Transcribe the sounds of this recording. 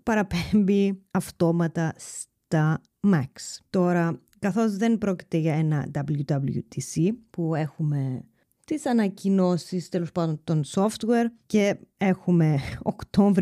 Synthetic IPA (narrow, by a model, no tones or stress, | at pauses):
pɐɾɐpembiɐft̪o̞mɐt̪ɐst̪ɐ | mɐkst̪o̞ɾɐ | kɐθo̞zðe̞npɾo̞ci̥t̪e̞ʝɐe̞nɐ̰d̪ɐblud̪ɐbljṵt̪ʰisipue̞xume̞ | t̪isɐnɐcino̞sist̪elo̞spɐnd̪o̞nt̪o̞nso̞ft̪weɾce̞e̞xume̞o̰kt̪o̞ɱv